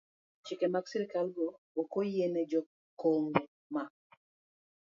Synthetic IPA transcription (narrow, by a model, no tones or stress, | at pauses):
t͡ʃikemaɡsiɾikalɡɔ | okojened͡ʒɔ | koŋbɛ | ma